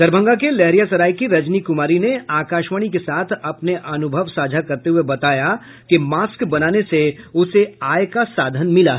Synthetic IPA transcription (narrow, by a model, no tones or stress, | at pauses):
d̪ɐɾbʱə̃ŋɡakelɛɦɾijasɐɾaːikiɾɐd͡ʒnikʊmaːɾineaːkaːʃʋəɽ̃ikesaːt̪ʰɐpneʔɐnʊbʱəʋsaːd͡ʒʱakɐɾt̪eɦuebɐt̪aːja | kemaːskbɐnaːneseʊseaːjkasaːd̪ʱənmɪla̰ɦ